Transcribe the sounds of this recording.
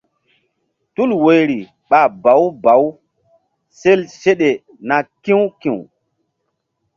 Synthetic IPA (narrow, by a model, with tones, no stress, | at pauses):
tu˦lwo˨jɾi˨ | ɓa˨ba˨˦wba˨˦w | se˦lse˦ɗe˨ | na˨kĩ˦wkĩ˨w